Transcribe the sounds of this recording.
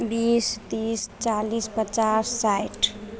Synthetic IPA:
bist̪ist͡ʃalispət͡ʃasːajʈ

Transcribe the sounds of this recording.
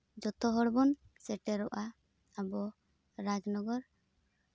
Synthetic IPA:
d͡ʒɔt̪ɔɦɔɽbɔn | sɛʈɛɾɔʔa | abɔ | ɾad͡ʒnɔɡɔɾ

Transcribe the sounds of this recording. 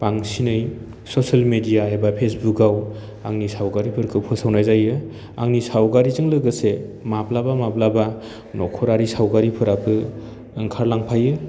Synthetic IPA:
paŋsinɯj | sosalmedijaebapʰesbuk̚ɡaw | a̰ŋnisawɡaɾipʰɯɾkʰɯpʰɯsawnajzajɯ | a̰ŋnisawɡaɾizɯŋlɯɡɯsemaplabamaplaba | nɔkʰɔɾaɾisawɡaɾipʰɯɾapʰɯː | ŋkʰaɾlaŋpʰajɯ

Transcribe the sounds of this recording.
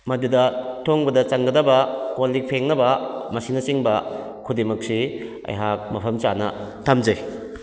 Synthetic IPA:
mɐdidɐtʰoŋbɐdɐt͡ʃɐŋɡɐdɐbɐkolːik̚pʰeŋnɐbɐmɐsinɐsiŋbɐ | kʰudimɐk̚si | ɐ̰jɦak̚mɐpʰɐmt͡ʃanɐ̰tʰamd͡ʒɐj

